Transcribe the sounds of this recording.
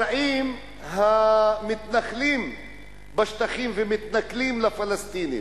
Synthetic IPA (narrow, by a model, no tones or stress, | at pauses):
aʔim | ɦamit̪naχlim | baʃt̪aχimvemit̪naklimlafalast̪inḭ